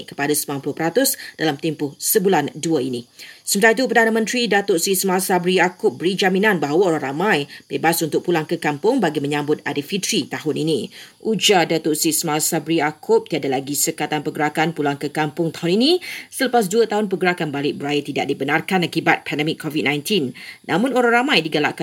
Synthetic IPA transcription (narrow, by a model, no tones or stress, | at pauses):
ʔkə̥padasəmanpulʊhpəɾat̪ʊsd̥alamt̪ɛmpʊhsəbulanduəinĩsəmət̪ait̪upərdanamə̃nt̪ɾidat̪ʊʔsismasabɾiakʊp̚bəɾid͡ʒamĩnãnbaɦawəoɾaɾamãjbebasunt̪ʊk̚pulaŋkəkampʊŋbaɡimə̃ɲãmbʊt̪̚a̰dəfit̪ɾit̪aɦʊninĩʔud͡ʒadat̪ʊʔsismasabɾiakʰʊp̚t̪iadalaɡisəkat̪anpəɡəɾakanpulaŋkəkampʊŋt̪aɦʊninĩsələpas̬duət̪aɦʊnpəɡəɾakanbalɪʔ̚bəɾajət̪ida̰ʔ̚dibənarkanakibat̪̚pʰɛndɛmɪkʰːɔvid̚nãjnt̪innʔã̰mʊ̃noɾaŋramãjdiɡala̰ʔka